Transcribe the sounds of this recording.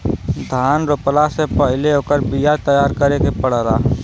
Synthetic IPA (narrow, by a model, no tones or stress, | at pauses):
d̪ʱaːnɾopəlasepəɦɪleɦoːkəɾbɪjat̪əjaːɾkəɾekepəɽəɾaː